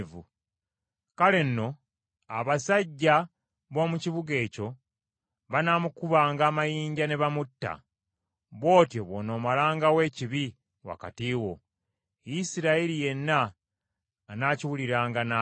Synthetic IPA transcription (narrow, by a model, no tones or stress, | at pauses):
vṵ | kale̞nːo̞ | aβasaɟːa | βo̞ːmuciβuɡe̞ːco̞ | βanaːmukuβaːŋɡaːmajiːɲɟane̞βamutːa̰ | βo̞ːtjo̞βono̞ːmalaːŋɡawe̞ːciβi | wa̰ka̰tiːwo̞ | jisiɾaeɾije̞nːaː | naːciwuliɾaːŋɡana